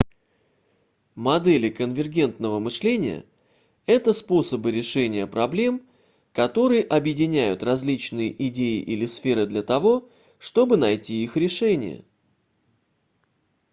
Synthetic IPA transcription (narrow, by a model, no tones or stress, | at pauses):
mɐd̪ɛlʲɪkənvʲɪrɡʲe̞nt̪nəvəmɨʂlʲenʲɪ̰jə̰ | ɛt̪əspo̞səbɨɾʲɪʂɛnʲɪjəpɾɐblʲe̞m | kɐt̪o̞ɾɨjəʔɐbjɪdʲɪnʲæjʊt̪rɐzʲlʲit͡ɕnɨjə̰ʔɪdʲeɪ̰ʔilʲɪsfʲe̞ɾɨd̪lʲɐt̪ɐvo̞ | ʂt̪o̞bɨnɐjtʲiixɾʲɪʂɛnʲɪ̰jə̰